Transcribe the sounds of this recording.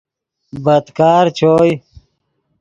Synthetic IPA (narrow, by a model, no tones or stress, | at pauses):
bəd̪kaːɾt͡ɕʰoːj